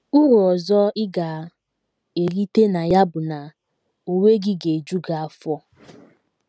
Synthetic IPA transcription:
u˦ɾu˨ɔ˨zɔ˦ɪ˦ɡa˨ | e˨li˦te˦na˨ja˦bʊ˨na˨ | o˨we˦ɡi˦ɡe˨d͡ʒu˦ɡa˨a˦fɔ˦

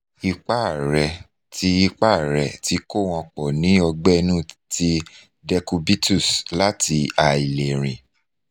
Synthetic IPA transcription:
i˧k͡pa˦˨ɾɛ˨ | ti˦i˧k͡pa˦˨ɾɛ˨ti˨˦ko˦˨w̃ɔ̃˧k͡pɔ˨nĩ˨˦ɔ˧ɡ͡bɛ˦˧nũ˦˨ti˧ | dɛ˧ku˧bi˦tu˦˨sla˦ti˧a˨i˨le˨ɾ̃ĩ˨

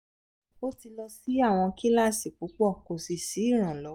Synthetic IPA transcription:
o˦ti˧lɔ˧si˦a˦˨w̃ɔ̃˧ki˦la˦si˨k͡pu˨˦k͡pɔ˦˨ko˨si˨si˨˦i˦˨ɾ̃ã˨lɔ˨˦

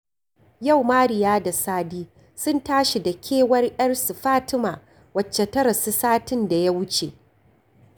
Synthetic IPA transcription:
ja˦˨wmaː˦ɽɪ˨jaː˦da˨saː˦diː˦ | sʊ˦ntaː˦ʃi˨dɐ˨kʲʰeː˦wɐ˦rʔʲʼɐ˦rsu˨ɸaː˦tɪ˦maː˨ | wɐ˨t͡ʃːe˨tɐ˦ɾɐ˨si˦saː˦tɪ˦nda˨ja˦wʊ˦t͡ʃḛ˨

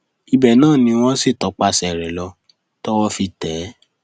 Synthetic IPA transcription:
i˧bɛ˨nãː˦˨nĩ˧˦w̃ɔ̃˦si˦˨tɔ˨˦k͡pa˧sɛ˧˨ɾɛ˨lɔ˧ | tɔ˦wɔ˦fi˧tɛ˨˦

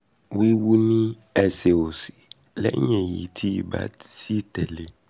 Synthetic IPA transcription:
wi˦wu˦nĩ˦ | ɛ˨se˨wo˨si̥˨ | lɛ̰˦ɲɛ̃˨jḭ˨tʰi˦˨ba̰˦si˦t̪ɛ˨le˨

